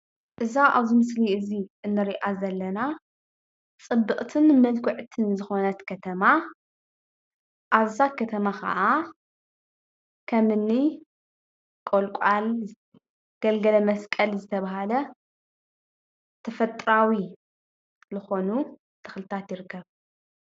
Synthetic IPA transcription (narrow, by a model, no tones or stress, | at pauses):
ʔɨzaʔaβzimɨsliɨziɨnːɨɾiʔazɐlːɐna | t͡sʼɨbːɨχʼt̪ʰɨnmɐlkʰɨʕt̪ʰɨnzɨxo̞nɐt̪kʰɐt̪ʰɐma | ʔaβzakʰɐt̪ʰɐmakʰa̰ʔa | kʰɐmɨnːi | kʼolkʷʼal | ɡ̥ɐlɡɐlɐmɐskʼɐlzɨt̪ʰɐβaɦalɐ | t̪ʰɐfɐt̪ʼɾawi | zɨxo̞nu | t̪ʰɨ̥xlɨt̪ʰat̪jɪɾɨkʰːɐβ